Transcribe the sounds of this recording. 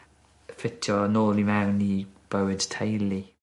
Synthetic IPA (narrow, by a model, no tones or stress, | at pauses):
fɪtʰjɔnoːlimawnib̥əwɪd̥tʰejli